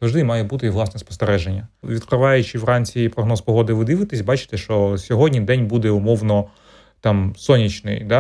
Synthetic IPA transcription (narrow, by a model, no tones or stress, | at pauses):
zɐwʐd̪ɪmɑjɛbut̪ɪʋlˠɑsnɛspɔ̥st̪eɾɛʒenʲːɐʋʲid̪kɾɪʋɑjʊt͡ʃɪʋwɾɑnʲt͡sʲipɾɔɦnɔspɔɦɔd̪ɪʋɪd̪ɪʋɪt̪ɪsʲbɑt͡ʃɪ̥t̪ɛʃt͡ʃɔsʲɔɦɔdʲnʲid̪ɛnʲbud̪ɛʊmɔwnɔ | t̪ɑmsɔnʲit͡ʃnɪ̰jd̪ɑ